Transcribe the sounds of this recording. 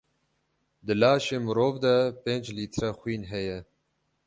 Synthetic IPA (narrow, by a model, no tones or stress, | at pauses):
d̪ɨlaːʃeːmɨɾoːvd̪ɛpeːnd͡ʒliːt̪ʰɾɛxwiːnɦɛjɛ